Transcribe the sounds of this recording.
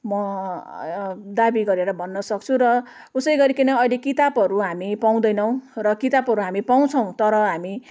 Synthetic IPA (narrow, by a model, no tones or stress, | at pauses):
mʌ | d̪abiɡʌɾeɾʌbʱʌnːʌsʌk̚t͡sʰurʌ | usʌjɡʌɾikinʌʌjlekit̪abɦʌɾuɦamipaw̃d̪ʌjnʌw̃rʌkit̪abɦʌɾuɦamipaw̃t͡sʰʌw̃t̪ʌɾʌɦami